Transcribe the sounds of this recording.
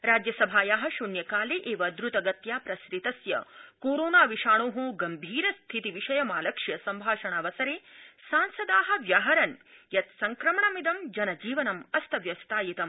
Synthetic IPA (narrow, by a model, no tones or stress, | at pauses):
ɾaːd͡ʒjɐsɐbʱaːjaːɦɐ̆ʃunjɐkaːleʔeːʋɐd̪ɾut̪ɐɡɐt̪jaːpɾɐsɾit̪ɐsjɐ̰koːɾoːnaːʋiʂaːɳoːɦuːɡɐmbʱiːɾɐst̪ʰit̪iʋiʃɐjɐmaːlɐkʂjɐsɐmbʱaːʂɐɳaːʋɐsɐɾeːsaːnsɐd̪aːɦɐ̆ʋjaːɦɐɾɐnjɐt̪sɐŋkɾɐmɐɳɐmid̪ɐmd͡ʒɐnɐd͡ʒiːʋɐnɐmɐst̪ʰɐʋjɐst̪ʰaːjit̪ɐm